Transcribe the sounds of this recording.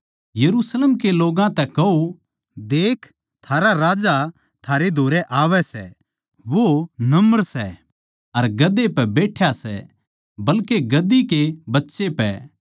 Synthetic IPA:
jɐɾusleːmkeloːɡãt̪ɛkɐo | d̪eːkʰ | t̪ʰaːɾaɾaːd͡ʒa | t̪ʰaːɾed̪ʱoːɾɛʔaːʋɛsɛ̰ | ʋonɐməɾsɛ | ɐɾɡɐd̪ːepɛbeːʈʰjasɛ̰ | bɐlkeɡɐd̪ikebɐtːʃepɛ

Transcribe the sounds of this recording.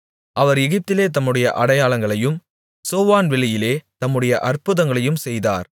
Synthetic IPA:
ʔɐʋɐɾɛɣɪp̚t̪ɪleːt̪̬ɐmːɯɽɐjɐʔɐɽɐjaːɭɐŋɡɐɭɐjɯm | soːʋaːnʋɛɭɪjɪleːt̪ɐmːɯɽɐjɐʔɐrpɯðɐŋɡɐɭɐjɯmsɛjða̰ːɾ

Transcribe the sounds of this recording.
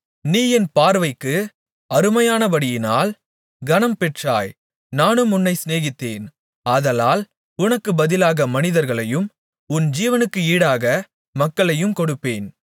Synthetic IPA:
niːjɛnpaːɾʋɐɪkːɯ | ɐɾɯmɐjaːnɐʋɐɽɪjɪna̰ːl | ɡɐnɐmpɛʈraːj | naːnɯmʊnːɐɪsneːɣɪt̪ːeːn | ɐðɐlaːl | ʊnɐkːɯbɐðɪlaːɣɐmɐnɪðɐɾɣɐɭɐjɯm | ʊnd͡ʒiːʋɐnɯkːɯiːɽaːɣɐ | mɐkːɐɭɐjɯmkɔɽɯpːeːn

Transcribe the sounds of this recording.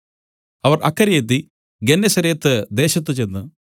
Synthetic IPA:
ɐʋɐrɐkːɐɾɐjet̪̬ːi | ɡenːɐsɐɾeːt̪ːɨd̪e̞ːɕɐt̪̬ːɨt͡ɕe̞nːɨ

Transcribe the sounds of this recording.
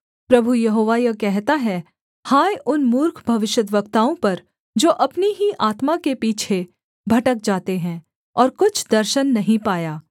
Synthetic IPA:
pɾɐbʱujɐɦoːʋajɐkɛɦt̪aɦɛ | haːjʔʊnmʊɾkʰbʱɐʋɪʃjəd̪ʋəkt̪aːõpɐɾ | d͡ʒoːʔɐpniɦiʔaːt̪makepiːt͡ʃʰe | bʱɐʈək̚d͡ʒaːt̪eɦɛ̃ː | ɔːɾkʊt͡ʃʰd̪ɐɾʃənːɐɦĩpaːjaː

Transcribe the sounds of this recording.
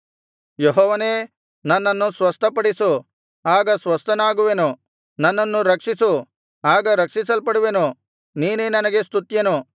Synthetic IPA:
jeɦɔːʋɐneː | nɐnːɐnːusʋɐst̪ʰɐpɐɽisu | aːɡɐsʋɐst̪ʰɐnaːɡuʋenu | nɐnːɐnːuɾɐkʂisu | aːɡɐɾɐkʂisɐlpɐɽuʋenu | niːnenɐnɐɡe̞st̪ʰut̪jɐnu

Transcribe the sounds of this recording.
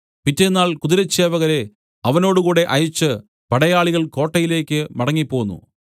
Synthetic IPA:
pitːenːaːɭkuðiɾɐt͡ɕːeːʋɐɣɐɾe̞ | ɐʋɐno̞ːɽukuːɽe̞ʔɐjut͡ɕːɨ | pɐɽɐjaːɭiɣɐɭko̞ːʈːɐjile̞ːkʲːɨmɐɽɐŋːipːo̞ːɣunːṵ

